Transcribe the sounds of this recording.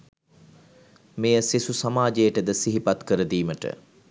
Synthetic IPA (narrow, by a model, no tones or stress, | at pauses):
mejəsisusamaːd͡ʒejəʈəd̪əsiɦipat̪kəɾəd̪iːməʈə̰